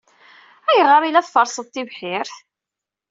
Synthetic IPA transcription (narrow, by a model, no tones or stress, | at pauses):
æjəʁəɾˤilæθfɑɾˤsˤəðˤt̪ːivħɪɾθ